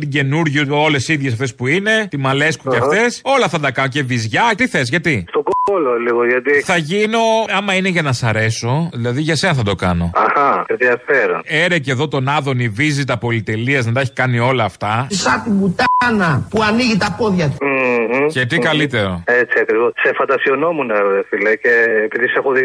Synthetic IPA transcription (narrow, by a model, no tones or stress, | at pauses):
t̪iɟe̞nuɾʝio̞le̞siðʝesɐft̪e̞spuine̞t̪imɐle̞skuceɐft̪e̞so̞lɐθɐnd̪ɐkɐnoce̞vizʝɐt̪iθezʝɐt̪ist̪oɡoololiɣoʝɐt̪iθɐʝino̞ɐmɐineʝɐnɐsɐɾe̞so̞ðilɐðiʝɐse̞nɐθɐd̪o̞kɐ̰no̞̰ɐhɐseðiɐfeɾone̞ɾece̞ðo̞t̪o̞nɐðo̞nivizit̪ɐpo̞lit̪e̞liɐznɐt̪ɐeçi̥kɐnio̞lɐːft̪ɐsɐt̪ibut̪anɐpuɐniʝit̪ɐpo̞ðʝɐt̪u̥m̩cet̪ikɐlit̪e̞ɾo̞et͡siɐkɾivossefɐnd̪ɐsiono̞munɐefileceːpiðisexoði